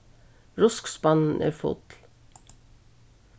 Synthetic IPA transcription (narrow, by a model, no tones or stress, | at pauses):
ɹʊskspɑnn̩ʔḛːfṵːt̪l̩